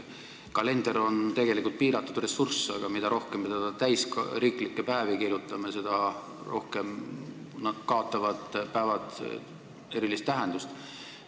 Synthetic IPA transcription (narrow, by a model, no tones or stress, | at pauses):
kɑle̞nd̪̥eɾo̞nt̪e̞ɡe̞likˑult̪̚piːɾɑt̪ːˑud̪re̞sːursːɑ̰ɡ̥ɑmid̪̥ɑɾo̞hkempid̪ɑd̪̥ɑt̪æjskɾiːklikːˑe̞pæːvikiɾjut̪ːˑɑmese̞d̪ɑ | ro̞hkem | nɑd̪̥kɑot̪ːˑɑvɑd̪̥pæːvɑt̪ | e̞ɾilist̪ːæɦend̪̥ust̪